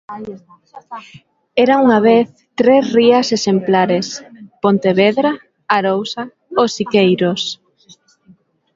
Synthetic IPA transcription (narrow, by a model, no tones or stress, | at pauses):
ɛɾaŋuŋaβ̞eθ | t̪ɾesriɐsesemplaɾespont̪eβeðɾa | aɾowsa | osikejɾos